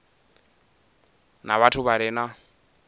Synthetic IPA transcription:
naβatʰʊβaɾɪːna

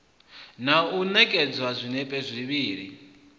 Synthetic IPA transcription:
naunɛkʼɛd͡zwazʷinɛpʼɛzʷiβiːɺi

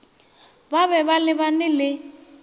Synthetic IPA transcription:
baβɛβalɪβanɪlɪ

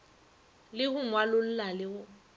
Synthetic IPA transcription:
lɪhʊmwalʊl̩lalɪʊ

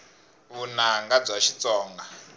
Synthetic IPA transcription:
βunaŋɡab͡ʐʷaʃit͡sɔːŋɡa

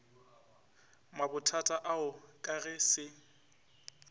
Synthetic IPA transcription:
mabʊtʰatʼaʔaʊkʼaɣɛsɪ

